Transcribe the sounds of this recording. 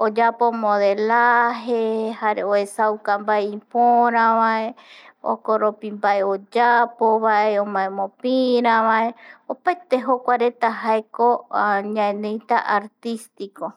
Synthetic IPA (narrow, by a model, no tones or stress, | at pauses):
od͡ʒapomõðelaɦehaɾeoesawkambaeĩpoɾ̃ãβaeo̰koɾopimbaeod͡ʒapoβaeõmãẽmõpiɾ̃ãβaeopajt̪eɦokʷaɾe̞t̪aɦaekoɲãẽnẽjt̪a̰ʔaɾt̪ist̪iko